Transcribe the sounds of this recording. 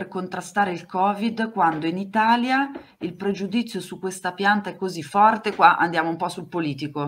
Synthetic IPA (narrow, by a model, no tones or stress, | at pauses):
erkont̪ɾast̪aːɾeilkɔːvid̪kwand̪oinit̪aːlja | ilpɾed͡ʒud̪it̪sːjosukːwest̪apjant̪aɛkːozifɔrt̪ekwaʔa̰nd̪jaːmoumpɔsulpoliːt̪iko